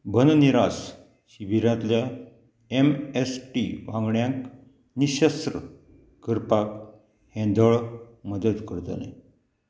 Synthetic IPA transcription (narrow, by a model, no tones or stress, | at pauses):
bʱənniɾas | ɕiʋiɾãt̪lja | emesʈiʋãŋɡɳjãk | niɕəst̪ɾə | kəɾpak | hɛ̃nd̪əɭməd̪əd̪kəɾt̪ənḛ